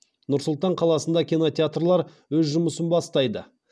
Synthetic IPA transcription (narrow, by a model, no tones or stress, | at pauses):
nʊɾsʊlˠt̪ɑɴqʰɑlˠɑsənd̪ɑkʲino̞t̪ʲeat̪rlˠɑɾwɵzʒʊməsənbɑst̪ɑjd̪ə̰